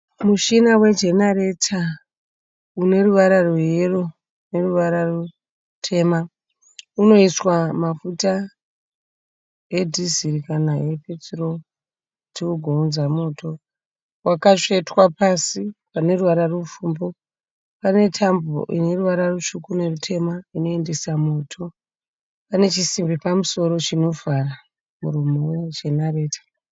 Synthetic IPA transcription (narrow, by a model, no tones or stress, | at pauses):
muʃinawe̞d͡ʒe̞naɾe̞tʰa | une̞ruʋaɾarojeru | ne̞ruʋaɾaru | tʰe̞ːma | uno̞iswamafuta | edʱiziɾikanaepet͡siro | tiuɡʱounzamo̞ːto̞ | wʔakaʂetwapasipane̞ruwaɾarufuːmbo̞ | pane̞tʰambo̰ʔḭne̞ruʋaɾaruʃukune̞rutʰe̞maino̞e̞nde̞samo̞ːtʰo̞ | pane̞t͡ʃisimbipamuso̞ɾo̞t͡ʃino̞vʱara | muɾumowed͡ʒe̞nare̞ːtḁ